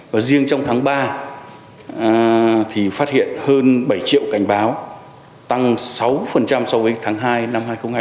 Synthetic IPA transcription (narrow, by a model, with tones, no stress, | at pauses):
vaː˨˩zi˧əŋt͡ɕɔ˧wŋ͡mt̪ʰaː˨˦ŋɓaː˧˨˩ | t̪ʰi˨˩faː˦˥t̚hḭ˧˨ənhəː˧nɓə˧˩jt͡ɕḭ˧˨əwka˧˩jŋ̟ɓaː˨˦w | t̪a˧ŋsa˨˦wfə˨˩nt͡ɕa˧mswvəː˨˦jt̪ʰaː˨˦ŋɦaː˧jna˧mɦaː˧jxə˧ŋ͡mhː